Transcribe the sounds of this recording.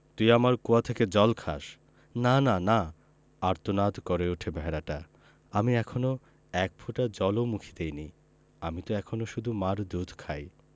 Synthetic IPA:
t̪ujamaɾkuat̪ʰeked͡ʑɔlkʰa̰ʃ | nanana | aɾt̪onad̪kɔɾeuʈʰebʱɛɾaʈa | amiɛkʰono | ɛk̚pʰuʈad͡ʑɔlomukʰid̪ejni | amit̪oɛkʰonoʃud̪ʱumaɾd̪ud̪ʱkʰaj

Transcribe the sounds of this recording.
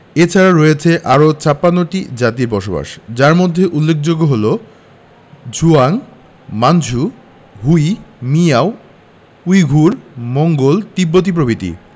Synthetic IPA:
et͡ɕʰaɾaɾojet͡ɕʰeʔaɾot͡ɕapːanːoʈid͡ʑat̪iɾbɔʃoba̰ʃd͡ʑaɾmod̪ʱːeʔulːekʰd͡ʑoɡːoɦolo | d͡ʑuaŋ | mand͡ʑʱu | ɦujmiao | ujɡʱuɾmoŋɡolt̪ibːot̪̬ip̬ɾobʱit̪ḭ

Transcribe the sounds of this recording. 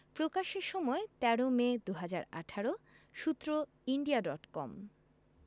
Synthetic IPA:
pɾokaʃeɾʃɔmɔet̪ɛɽomed̪uɦad͡ʑaɾa̰ʈʰaɾo | ʃut̪ːɾo | iɳɖiaɖɔʈkɔ̰m

